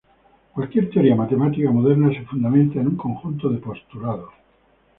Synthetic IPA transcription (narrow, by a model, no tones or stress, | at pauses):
kwalkje̞ɾt̪eo̞ɾiamat̪e̞mat̪ikamoðeɾnasefund̪amẽ̞nt̪aenuŋko̞ŋxunt̪oðepo̞st̪ulaðo